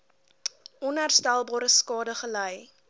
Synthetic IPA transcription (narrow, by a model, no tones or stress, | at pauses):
ɔnɦærstælˠbɑːɾəskɑːdəχələj